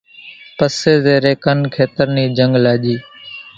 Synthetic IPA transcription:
pəseːzeːɾeːkənkʰeːt̪əɾniːd͡ʒəŋɡlaːʄiː

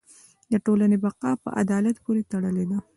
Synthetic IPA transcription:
d̪əʈolanebaqɑpə̰ʔa̰d̪ɑlat̪poɾet̪aɽəled̪a

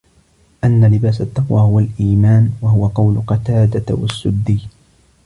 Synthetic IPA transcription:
ʔanːalɪbaːsat̪ːɑqwaːhʊwalʔiːmaːnwahʊwaqɑwlʊqɑt̪aːd̪awa̰sːʊd̪ːiː

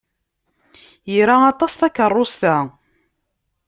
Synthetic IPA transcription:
jiɾaɑt̪ˤɑsθækərˤːosθæ

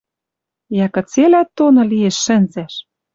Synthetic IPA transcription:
jækɤ̆t͡selæt̪ːonɤ̆lijeʃːɘ̆nzæʃ

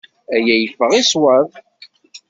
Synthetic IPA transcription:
æjæjəfːəʁiswæð

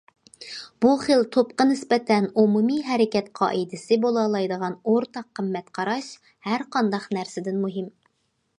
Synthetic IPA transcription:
b̥uχəlt̪ʰopqənɪspɛt̪ʰɛnumumiɦɛɾɪkʲɛt̪qʰɑ̰ːʔid̪ɪsɪbolˠɑlˠɑjd̪əʁɑnoɾt̪ʰɑqʰːəmːɛt̪qʰɑɾɑʃ | hæɾqʰɑnd̪ɑqnæɾsɪd̪ɪnmuɦɪm

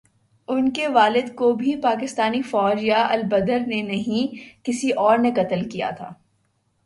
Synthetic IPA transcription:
ʊnkeʋaːlɪd̪kobʱipaːk̬ɪst̪aːnifɔːd͡ʒjaʔɐlbɐd̪əɾnenɐɦĩkɪsiʔɔːɾnekɐt̪əlkija̰t̪ʰa̰ː

